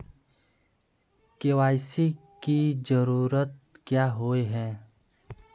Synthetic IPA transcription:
kewaːɪsikizəɾuːɾət̪̚kjaːɦoːeɦɛ̃ː

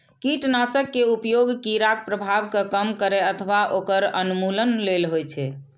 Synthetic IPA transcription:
kiʈnasəkːeupjoɡkiɾak̚pɾəbʱabkəkəmkəɾɛət̪ʰəʋaʔokəɾənumulənlelɦojt͡ʃʰɛ

